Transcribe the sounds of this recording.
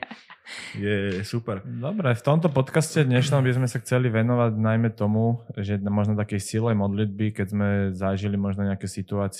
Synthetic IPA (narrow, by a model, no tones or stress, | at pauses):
jɛsupɛɾd̪ɔbɾɛft̪ɔmt̪ɔpɔt̪kascɛd̪ɲɛʃnɔmbizmɛsaxt͡sɛliʋɛnɔʋaɟnajmɛt̪ɔmuʒɛmɔʒnɔt̪akɛjsilɛjmɔd̪lid̪̚bikɛzmɛzaʒilimɔʒnɔɲɛakɛsit̪uaːt͡s